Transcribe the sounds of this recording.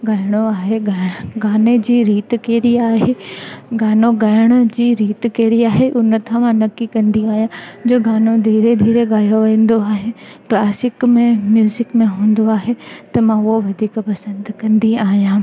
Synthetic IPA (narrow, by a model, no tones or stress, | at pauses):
ɡaːɪɽ̃oaːɦeɡaːɪɽ̃ɡaːned͡ʑiːɾiːt̪keːɾiaːɦeɡaːnoɡaːɪɽ̃ʊd͡ʑiːɾiːt̪keːɾiaːɦeʔʊnt̪ʰãʋãnɐkːikɐ̃nd̪iaːɦijãd͡ʑoːɡaːnod̪ʱiːɾed̪ʱiːɾeɡaːjoʋẽːnd̪oaːɦeklaːsɪkmẽmjuːzɪkmẽɦũːn̆d̪oaːɦet̪ɐmãoʋɐd̪ʱiːkpɐsə̃nd̪kɐ̃nd̪iaːɦijãː